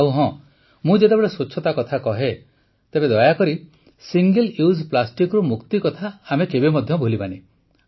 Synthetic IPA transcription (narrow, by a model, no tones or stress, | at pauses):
auɦɔ̃ | mũd͡ʒet̪ebeɭesot͡ʃʰːɔt̪akɔt̪ʰakɔɦe | t̪ebed̪ɔjakɔɾi | siŋɡeljusplasʈikɾumukt̪ikɔt̪ʰaːmekebemɔd̪ʱjɔbʱolipane